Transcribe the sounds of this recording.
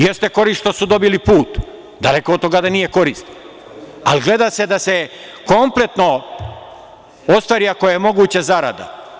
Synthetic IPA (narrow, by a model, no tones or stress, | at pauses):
jest̪e̞ko̞ɾisʃt̪osud̪o̞bilipuːt̪ | d̪ale̞kood̪t̪o̞ɡad̪anije̞ko̞ɾist̪ | aliɡle̞d̪ase̞d̪ase̞ | ko̞mple̞t̪no̞ | o̞st̪ʋaɾiako̞jajemo̞ɡuːt͡ɕezaɾa̰d̪a̰